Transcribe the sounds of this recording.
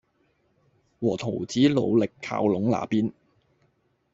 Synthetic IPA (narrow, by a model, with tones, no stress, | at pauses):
wɔː˨˩t̪ʰo˨˩wt͡siː˨˥lo̰˨˧wlɪ˨kʰːa̰ː˧wlʊ˨˥ŋla̰ː˨piː˥n